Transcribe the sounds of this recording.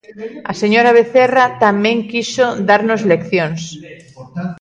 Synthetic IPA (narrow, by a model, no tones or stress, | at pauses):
aseɲoɾaβeθerat̪amẽŋkisod̪aɾnozlekθjoŋs